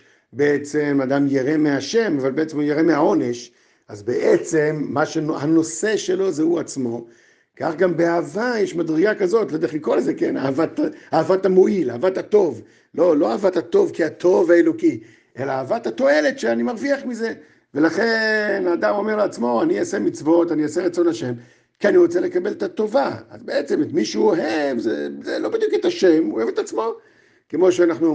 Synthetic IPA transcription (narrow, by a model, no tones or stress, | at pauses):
be̞et͡se̞mad̪amjeʁe̞meaʃe̞mavalbeet͡semujeʁemeɦao̞ne̞ʃ | azbeʔet͡se̞mːaʃenhano̞se̞ʃe̞lo̞zehuat͡smo̞ | ka̰χɡambeaːvajeʃmad̪ʁiɡakazo̞tlod̪eχikolzekena̰ːvat̪aavatamo̞ilaːvat̪hato̞v | lo̞lo̞aːvathat̪o̞vkiat̪ʰo̞vhaelo̞ki | ʔe̞laːvat̪hato̞e̞le̞tʃeanimaʁviaχmize̞ | ve̞laχe̞nad̪amo̞meʁleat͡smo̞aniasemit͡svo̞taniaseʁat͡so̞naʃe̞m | kianiʁo̞t͡sele̞kabelt̪ato̞vaa̰zbeet͡se̞met̪miʃuoɦevzḛzelo̞bid̪juket̪aʃe̞mohevet̪at͡smo̞ | ke̞mo̞ʃeanaχnu